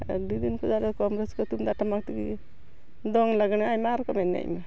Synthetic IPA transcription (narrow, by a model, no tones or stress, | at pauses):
ɖid̪inkɔd͡ʒalɛkɔmɾɛskɔt̪umd̪aʈamak̚t̪iki | d̪ɔŋlaɡnaajmaɾɔkɔmɛnːɛ̰ʔma